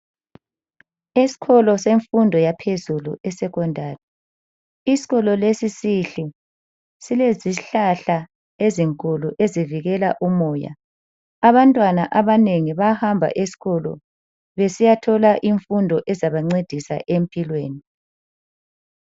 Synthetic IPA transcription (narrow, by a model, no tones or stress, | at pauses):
isi̥kʰɔlɔseɱfundʱɔjapʰezulṵʔɛsɛɣʰɔndʱaːrɛ | isi̥ɣɔlɔlesisiɬu | sileziɬaɬa | eziŋkʼuluʔeziviɣɛlaʔumɔːja̰ | aβantʼwanaʔaβaneŋiβahambʱa̰ʔesi̥ɣɔlɔ̰ | βesijatʰɔlaʔiɱfundʱɔʔɛzaβaŋ͡ǀed̥ʱisa̰ʔempʼilweːni